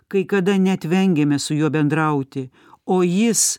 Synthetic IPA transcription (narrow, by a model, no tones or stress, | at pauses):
kɐɪkɐd̪ɐnʲɛt̪ʲʋʲɛŋʲɡʲɛmʲɛsʊjuɔbʲɛnd̪ɾɐʊt̪ʲɪ | oːjɪs